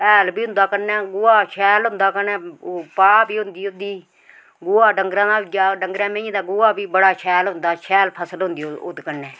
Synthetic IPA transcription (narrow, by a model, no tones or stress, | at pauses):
ɛːlbiːɦʊ̃nd̪aːkənːɛːɡʊaːʃʰɛːlɦʊnd̪aːkənɛːpaːbiːɦʊnd̪iːʊd̪iː | ɡʊaːɖəŋɡɾãːd̪aːd͡ʒaːɖəŋɡɾɛ̃ːmẽĩːd̪aːɡʊːaːbiːbəɽaːʃʰɛːlɦʊ̃nd̪aːʃʰɛːlpʰəsəlɦʊ̃nd̪iːʊ̰d̪kənːɛː